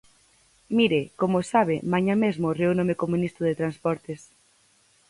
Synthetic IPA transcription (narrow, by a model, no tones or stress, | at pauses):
miɾekomosaβɪmaɲamezmʊreunomekomunist̪ʊðet̪ɾanspɔɾt̪ɪs